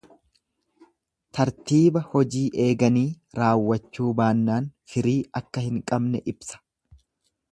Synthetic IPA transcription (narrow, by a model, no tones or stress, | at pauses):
t̪ɐɾt̪iːbɐhɔd͡ʒiːʔe̞ːɡɐniː | ɾaːwːɐt͡ʃːuːbaːnːaːnfɪɾiːɐkːɐhɪŋkʼɐbnɛʔɪbsɐ̥